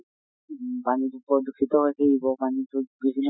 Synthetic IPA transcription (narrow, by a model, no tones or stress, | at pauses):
banit̪upɔd̪ukʰːit̪ɔɦojkʰeibɔbanit̪ubibʱinː